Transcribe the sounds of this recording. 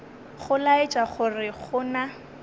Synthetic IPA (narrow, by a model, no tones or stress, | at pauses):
χʊlaɪt͡ʃʼaχʊrɪχʊna